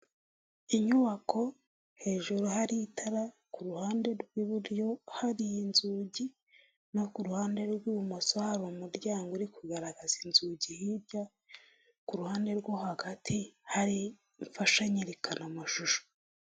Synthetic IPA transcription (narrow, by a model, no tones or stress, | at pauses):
iɲuβakʰo̞ | he̞ːʒuɾuɦaɾitʰaɾa | kuɾuhaːnde̞ɾɡwiβuɾjo̞haɾijinzuːɟi | nokuɾuhaːnde̞ɾɡwuumasohaɾomuɾɟaːŋɡoɾikuɡaɾaɡazinzuːɟihiɾɟa | kuɾuhaːnde̞ɾɡohaɡatʰihaɾi | ɱfaʃaɲiɾekanamaʃuʃo̥